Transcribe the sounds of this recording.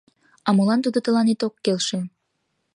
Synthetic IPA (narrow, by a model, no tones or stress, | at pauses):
ɑmolɑnt̪ud̪ot̪əlɑnet̪okːelʃe